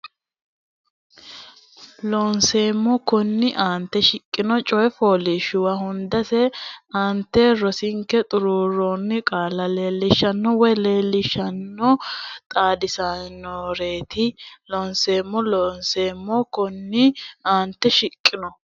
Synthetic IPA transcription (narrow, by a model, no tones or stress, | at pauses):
lonse̞ːmːɔkɔnːɪʔaːnt̪ːɛʃɪkʼːɪnɔt͡ʃʼɔɛfoːlɪʃʊwɐɦʊnd̪ɐsɛaːnt̪ːɛɾɔsɪŋkːɛt̪ʼʊɾuːɾonːɪkʼaːlɐle̞ːlːɪʃːɐnːɔwɔjle̞ːlːɪʃːɐnːɔt̪ʼaːd̪ɪsannoːɾe̞ːt̪ʰɪlɔnseːmːɔloːnseːmːɔkɔnːɪaːnt̪ːɛʃɪkʼːɪnɔ